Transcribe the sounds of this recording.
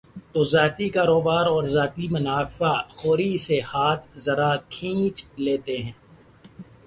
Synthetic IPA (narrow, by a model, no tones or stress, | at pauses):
t̪oːzaːt̪ikaːɾoːbaːɾɔːɾzaːt̪imʊnaːfaxoːɾisehaːt̪ʰzɐɾakʰĩːt͡ʃleːt̪eɦɛ̃ː